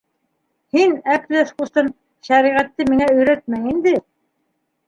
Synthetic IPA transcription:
hinæp̪æskust̪ɤn | ʃæɾiʁæt̪ːɘmiŋæɵ̆jɾæt̪̚mæŋind̪ɘ

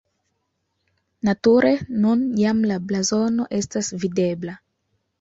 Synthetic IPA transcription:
natuɾʔenunjamlablazo̞no̞ʔe̞stasvide̞bla

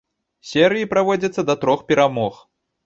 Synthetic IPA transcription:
sʲɛɾɨjipɾavɔd͡zʲɐt̪sːɐd̪ɐt̪ɾɔxpʲɛɾamɔx

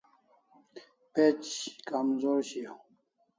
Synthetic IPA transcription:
pet͡ɕkamzoːɾɕio

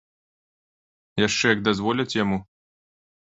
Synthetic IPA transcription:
jaʂt͡ʂɛjɐɡ̚d̪azvɔlʲɐt͡sʲjamu

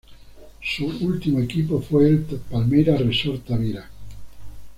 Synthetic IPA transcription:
suult̪imoekipofeeltpalmeɾaresɔɾt̪aβiɾa

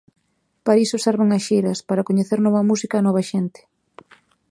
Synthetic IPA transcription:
paɾisʊseɾβeŋɐsʃejɾɐspaɾɐkoɲeθeɾnɔβɐmusikaːnɔβɐʃent̪ɪ̥

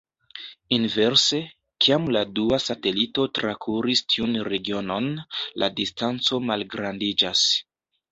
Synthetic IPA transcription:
inve̞ɾse̞ | kʰiamladuasate̞lito̞tɾakʰuɾistʰiunɾe̞ɡio̞no̞nlʔa̰distant͡so̞malɡɾandid͡ʒas

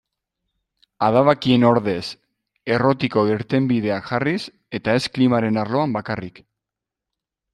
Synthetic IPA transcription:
aðaβakie̞no̞ɾðe̞s | e̞ro̞t̪iko̞eɾt̪e̞mbið̞e̞aʝaris | e̞t̪ae̞sklimaɾe̞naɾlo̞ambakarik

